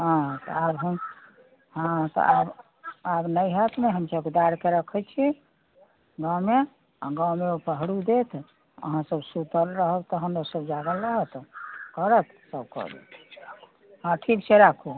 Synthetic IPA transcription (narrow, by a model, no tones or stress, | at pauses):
ɦãt̪ɔ̰abɦəm | ɦãt̪ɔ̰ʔab | abnəjɦət̪meɦəmsəbked̪aɾkeɾəkʰət͡ʃʰi | ɡãwme | a̰ɡãwmeopəɦɽud̪et̪ʰ | ə̰ɦãsəbsut̪əlɾəɦəbt̪ɔɦəmɾosəbd͡ʒaɡələɦət̪kəɾət̪ʰ | səbkɔ̰ɾd̪ḛt̪ʰ | ɦãʈʰiksʰeɾakʰu